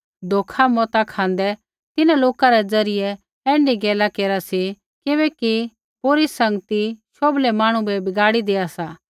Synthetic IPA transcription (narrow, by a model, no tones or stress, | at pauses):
d̪ʱoːkʰamɔːt̪akʰãːnd̪ɛ | t̪ɪnãloːkaɾɛd͡zɐɾɪjɛ | ɛ̃ːɳɖiɡɛːlakeːɾasi | kɪβɛːki | poːɾisɐ̃ŋɡt̪iʃoːblɛmaːɽ̃ũbɛbɪɡaːɽid̪eːasaː